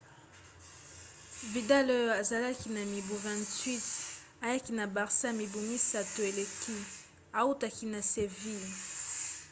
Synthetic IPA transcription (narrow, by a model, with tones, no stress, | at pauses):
vi˨da˦lo˦jo˨a˨za˨la˦ki˨na˨mi˨bu˨vã˨ntɥi˦t | a˨ja˦ki˨na˨ba˨ʁsa˦mi˨bu˨mi˦sa˨to˨e˨le˨kʰi˦ | a˨u˦ta˨ki˦na˨se˨vi˦